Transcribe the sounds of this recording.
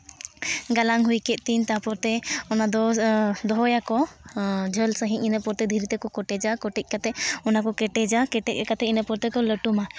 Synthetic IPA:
ɡalaŋɦujkɛʔ̪̚ˀt̪iɲt̪apɔɾt̪ɛɔnad̪ɔd̪ɔɦɔjakɔ | d͡ʒʱəlsəɦĩɲinəpɔɾt̪ɛd̪ʱiɾit̪ɛkɔkɔʈɛd͡ʒakɔʈɛc̪̚ˀkat̪ɛɔnakɔkɛʈɛd͡ʒakɛʈɛc̚ɛkat̪ɛinəpɔɾt̪ɛkɔləʈuma

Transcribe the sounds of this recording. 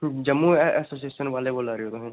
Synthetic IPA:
d͡ʒɐmːuɛːsoːs̬ieːʃənʋaːleboːlaːɾiõt̪oɦɛ̃ː

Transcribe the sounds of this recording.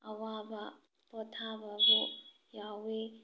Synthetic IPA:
ɐwabɐ | pɔtʰabɐbu | jawe

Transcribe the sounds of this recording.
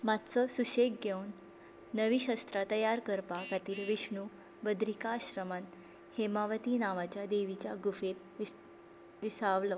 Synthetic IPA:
mat̪t͡səsuɕekɡʱewnː | əʋiɕast̪ɾat̪əjaɾkəɾpakat̪iːlʋiɕɳu | bəd̪ɾikaɕɾəman | hemaʋət̪iːnaʋat͡ɕjad̪eʋit͡ɕjaɡufet̪ | ʋisaʋlə

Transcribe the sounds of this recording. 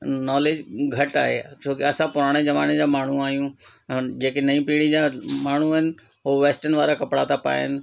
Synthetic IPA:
nɔːleːd͡ʑɡʱɐʈa̰ːɦḛt͡ɕʰoːkeɐsãpʊɾaːɽ̃ed͡ʑɐʋaːned͡ʑaːmaːɳ̤uaːɦijũ | d͡ʑeːkenɐĩpiɽ̃id͡ʑamaːɳ̤uaːɦɪnɪ̆ | ɦoʋeːsʈənʋaːɾakɐpɽat̪ʰapa̰ːɦɪnɪ̆

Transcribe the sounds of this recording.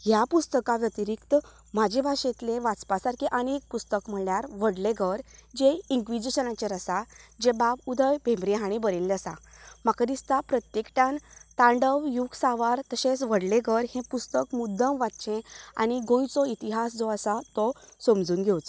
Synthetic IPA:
ɦjapust̪əkãʋjət̪iɾikt̪ə | m̤ad͡ʑebʱaɕẽt̪leʋat͡spasaɾkiʔənek̚pust̪əkm̤əɭjaɾʋ̤əɽleɡəɾd͡ʑeiŋkʋid͡ʑiɕənãt͡ɕeɾəsad͡ʑebabud̪ʱəjbʱẽmbɾeɦaɽ̃ibəɾelːəsa̰makd̪ist̪apɾət̪jekʈãnt̪ãɳɖəʋjuɡsaʋaɾt̪əɕẽsʋəɽleɡʱəɾhẽpust̪əkmud̪ʱːəmʋat̪t͡ɕẽa̰ɽ̃iɡõjt͡sɔit̪iɦasd͡zɔəsat̪ɔsomd͡zuːnɡʱewt͡s

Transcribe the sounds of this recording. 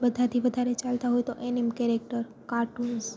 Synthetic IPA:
bəd̪ʱat̪ʰiʋəd̪ʱaɾet͡ʃalt̪aɦojt̪oʔenimkeɾek̚ʈəɾ | kaʈud͡ʒ

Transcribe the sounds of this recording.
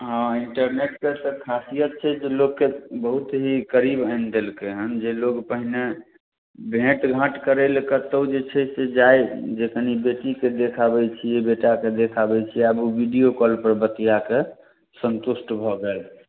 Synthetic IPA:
ɦɔ̃iɳʈəɾneʈkesəkʰasijət̪̚t͡ʃʰɛd͡ʒelokkːebəɦut̪ɦikəɾibəɪnd̪elkeɦənd͡ʒeloɡpəɦine | bʱẽʈɡʱə̃ʈkəɾelkət̪əwd͡ʒet͡ʃʰɛsed͡ʒajd͡ʒekənibeʈiked̪ekʰabɛt͡ʃʰijebeʈaked̪ekʰabɛt͡ʃʰiəbubiɖijokɔlpəɾbət̪ijake | sənt̪usʈbʱɔɡel

